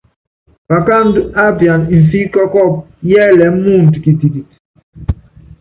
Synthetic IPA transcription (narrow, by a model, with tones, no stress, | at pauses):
pa˨ka˦n̩˦du˦a˦bja˨n˨n̩˨fi˦kɔ˦kɔ˦˨p̚ | jɛː˦lɛ˨˦m˦mu˦˨n̩˨ti˨ki˨ti˨ti˨